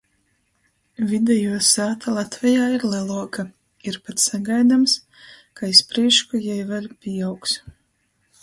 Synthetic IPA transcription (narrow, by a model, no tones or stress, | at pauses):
vʲid̪ʲɛjuɔsaːt̪ʰalˠat̪vʲɛjaːiɾlˠɛlˠuɔka | iɾpat̪saɡajd̪ams | kaispɾiɛʃkujɛjvalʲpʲiːawks